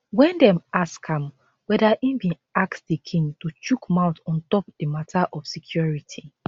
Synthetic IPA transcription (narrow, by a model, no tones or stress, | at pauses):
wɛ̃ndɛ̃maskãm | wɛdaʔĩbĩ | akstdikʰĩŋtut͡ʃukmaʊtɔ̃ntɔp̚d̥imatʰaʔɔfsikʰjɔɹitʰi